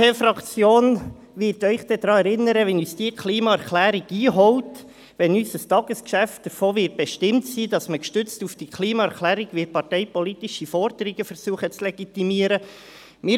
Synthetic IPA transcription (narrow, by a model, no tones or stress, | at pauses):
efɾɑkt͡sjoːn | ʋɪɾtœʏχd̥ɛd̪̥ɾɑːɛɾɪnːəɾəʋɛnyːsd̥iːəkʰliːmɑɛɾklæːɾiɡiːɦɔwt | ʋɛnysəstɑːɡ̥əskʃæft̚d̥əɾfoːʋɪːt̚b̥ɛʃtɪmtsiːdɑsməkʃtʏt͡stufd̥ikʰliːmɑɛɾklæːɾiɡʋipɑrtɛɪpɔlit̪iʃifɔɾd̥̪əɾiɡ̥əfəɾsuːəχət͡slɛɡ̥itimiəɾə | mɪː